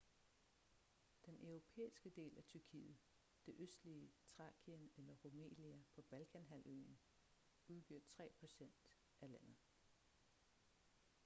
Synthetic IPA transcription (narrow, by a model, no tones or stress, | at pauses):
d̥enʔœʊʁo̝pʰḛːisɡ̥əd̥e̝̰ːlæt͡sʰyɐkʰḭːð̞̩ˠ | d̥e̝ʔøsd̥liət͡sʰʁɑ̈ːɡ̥ʰiənelɐʁo̝mḛːliæpʰɒ̽b̥ælkʰænɦæl̰ø̰ːneŋ | uðˠb̥øɐ̰d̥̚t͡sʰʁɛ̰ːpʰæɕen̰d̥ | ʔælæn̰ð̩ˠ